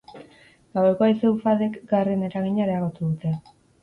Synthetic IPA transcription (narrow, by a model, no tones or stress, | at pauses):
ɡ̥awre̞ko̞esewfaðekɡarene̞ɾaɣiɲaɾeaɣ̞o̞t̪uðut̪e